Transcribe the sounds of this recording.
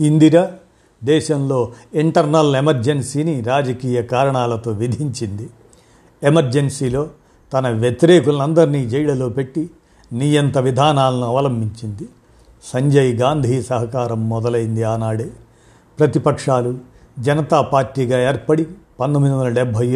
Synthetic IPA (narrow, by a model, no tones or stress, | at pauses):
ind̪iɾɐ | d̪ɛːʃɐmlo̞ːiɳʈɐɾnɐlemɐɾd͡ʒensiːniɾaːd͡ʒɐkiːjɐkaːɾɐɳaːlɐt̪o̞ːʋid̪ʱiɲt͡ʃind̪i | emɐɾd͡ʒensiːlo̞ː | t̪ɐnɐʋjet̪iɾɛːkulɐnɐnd̪ɐɾiniːd͡ʒɛjɽɐloːpe̞ʈːi | nijɐnt̪ɐʋid̪ʱaːnaːlɐnuɐʋɐlɐmbʱiɲt͡ʃind̪i | sɐɲd͡ʒɐjɡaːnd̪ʱiːsɐɦɐkaːɾɐmːɔd̪ɐlɐjind̪iaːnaːɽe | pɾɐt̪ipɐkʂaːlu | d͡ʒɐnɐt̪aːpaːɾʈːiːɡaːeːɾpɐɽipɐnd̪omid̪iʋɐnd̪ɐlɐɖɛbʱɐj